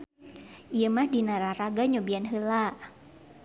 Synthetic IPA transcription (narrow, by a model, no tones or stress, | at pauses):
ʔijəmahdinaɾaraɡaɲobianɦəla